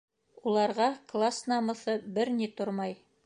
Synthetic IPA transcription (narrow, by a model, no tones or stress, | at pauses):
ulˠɑɾʁɑklˠasnɑmɤ̆θɤbɘɾnit̪oɾmɑj